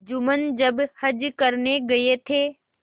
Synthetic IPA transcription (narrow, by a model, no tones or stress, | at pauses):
d͡ʒʊmənd͡ʒəbhəd͡ʒkəɾneɡɐet̪ʰe